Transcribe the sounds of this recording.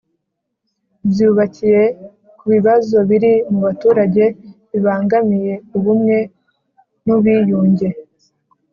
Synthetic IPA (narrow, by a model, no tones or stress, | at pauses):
bjuːβacije̞ | kuβiβazo̞βiɾimuβatuːɾaɟe̞βiβaːŋɡamije̞uβumŋe̞ | nuβiːjuːɲɟe̞